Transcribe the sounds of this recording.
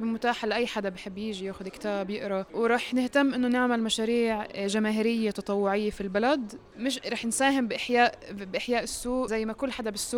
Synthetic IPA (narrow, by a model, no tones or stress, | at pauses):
bɪlmʊt̪aːħalːaʔajːħad̪abjħɪbːjiːʒijaːxʊd̪kt̪aːbjɪʔɾˤɑwɾˤɑːħnɪht̪amːʔɪnːonɪʕmalmaʃaːɾiːʕʒamaːɦɪɾɪjːet̪ɑt̪ˤɑwːʊʕɪjːefilbalad̪ | mɪʃɾˤɑːħnsaːɦɪmbɪʔɪħjaːʔbʔɪħjaːʔɪsːuːʔzajːmakʊlːħad̪abɪsːuːʔ